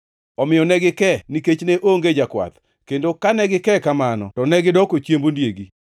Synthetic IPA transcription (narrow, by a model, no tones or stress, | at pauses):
ɔmɪjɔnɛɡɪkɛniket͡ʃneʔoŋɡed͡ʒakwa̰t̪ | kendokanɛɡɪkɛkamanɔ̰tɔnɛɡɪdɔkot͡ʃjembondjeɡi